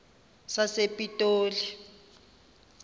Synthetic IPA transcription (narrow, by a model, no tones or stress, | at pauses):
sasepʼitʼoːli